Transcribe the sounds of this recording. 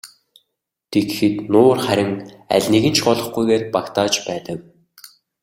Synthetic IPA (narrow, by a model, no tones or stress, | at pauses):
t̪ʰeɡxɘ̆t̪nʊːrχæɾʲɪ̆ŋæ̰ɮʲniɣɘ̆nt͡ɕʰɢɔɮɞ̆χɡujɣeːrpakt̪aːt͡ɕpæːt̪ə̆k